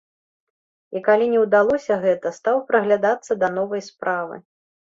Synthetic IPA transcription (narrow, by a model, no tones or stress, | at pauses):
ikalʲinʲɛwd̪alˠɔsʲɐɣɛt̪ɐst̪awpɾɐɣlʲad̪at̪sːɐd̪ɐnɔvɐjspɾavɨ̰